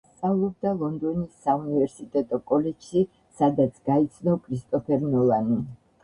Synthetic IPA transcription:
st̪sʼavlˠɔb̚d̪alˠɔnd̪ɔnisːaunivɛɾsit̪ʼɛt̪ʼɔkʼɔlɛd͡ʒ̥ʃi | sad̪at̪sʰɡait̪sʰnɔkʰɾist̪ʼɔpʰɛɾnɔlˠani

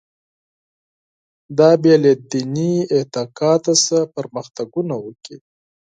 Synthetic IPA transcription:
d̪ɑbjalad̪iniɪt̪ɑkɑt̪asapəɾməxt̪aɡunawəki

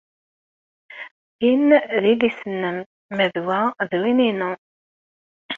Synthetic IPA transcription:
jinðilisənːəmː | əðwæðwininu

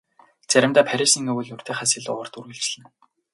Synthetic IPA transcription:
t͡sæɾʲɪ̆mt̪aːpʰæɾʲisiŋɵwɘ̆ɮjʊr̥t̪ʰeːχasɪ̆ːɮt̪ʊ̰ʁə̆r̥t̪uɾɘ̆ɮt͡ɕɮɘ̆n

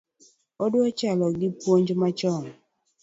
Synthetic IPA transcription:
ɔdwɔt͡ʃalɔɡipwoɲd͡ʒomat͡ʃɔŋ

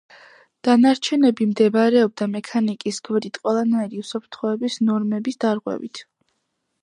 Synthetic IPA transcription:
d̪̥anaɾt͡ʃʰɛnɛbimd̪ɛbaɾɛɔb̚d̪amɛkʰanikʼisɡʰvɾit̪ʰqʼwɛlˠanaiɾiusɔpʰɾt̪ʰχɔɛbisnɔɾmɛbisd̪̥aɾʁwɛ̰vḭt̪ʰ

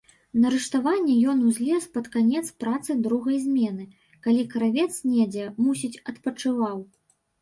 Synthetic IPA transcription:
nɐɾɨʂt̪avanʲːɛjɔnuzʲlʲɛspɐt̪kanʲɛt̪spɾat̪sɨd̪ɾuɣɐjzʲmʲɛnɨ | kalʲikɐɾavʲɛt̪snʲɛd͡zʲɛmusʲit͡sʲɐt̪pɐt͡ʂɨvaw

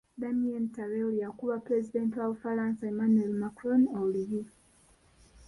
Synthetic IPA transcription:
d̪amientaɾeoljakuβapɾezideːntiwaβufaɾãːnsaemanuelmakɾonoliji

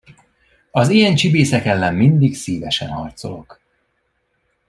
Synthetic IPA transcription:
ɒzijɛnt͡ʃibeːsɛkɛlːɛmmind̪iɡsiːvɛʃɛ̰nhɒrt̪solo̞k

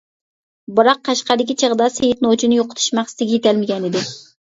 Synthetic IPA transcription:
bɨɾɑqːɑʃqɑd̪ɪkʲit͡ʃʰəʁd̪ɑsejit̪̚not͡ʃʰinjoqʰʊ̥t̪ʰu̥ʃmæχst̪ɪɡʲɛjet̪ɛlmɪɡʲɛnɪd̪ɪ

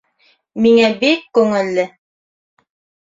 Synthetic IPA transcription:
miŋæbikːʉŋɘ̆lːɘ

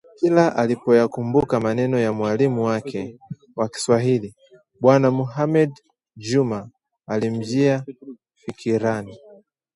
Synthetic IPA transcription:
kilaʔalipɔjakumbukamanɛnɔjamwalimuwakʰɛ | waki̥swaɦili | ɓwanamuɦamɛd | d͡ʒumaː | lim̩d͡ʒia | fikʰiɾani

